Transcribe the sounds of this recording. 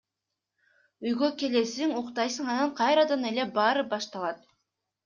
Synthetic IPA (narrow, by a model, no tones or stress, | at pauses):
yjɡøke̞le̞siŋuqt̪ɑjsɯɴɑnɯɴqʰɑjɾɑd̪ɑne̞le̞bɑːɾɯbɑʃt̪ɑlˠɑt̪